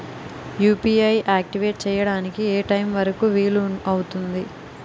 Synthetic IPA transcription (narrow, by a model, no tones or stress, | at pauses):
juːpiːɐjʔaːk̚ʈiʋeːʈ̚t͡ʃɛːjɐɽaːnikieːʈɐjmʋɐɾɐkuːʋiːluɐwut̪und̪i